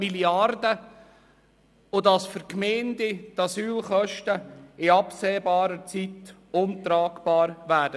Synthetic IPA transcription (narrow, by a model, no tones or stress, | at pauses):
miliɑrdə | odɑsfəɾkmeːndɪt̪ɑsyːlχœʃtəɪɑpseːbɑːɾət͡sitʊnt̪ɾɑːɡb̥ɑːɾʋæːd̥ə